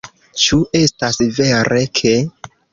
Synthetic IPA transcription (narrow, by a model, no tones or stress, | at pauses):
t͡ʃuʔe̞stasveɾe̞kʰe̞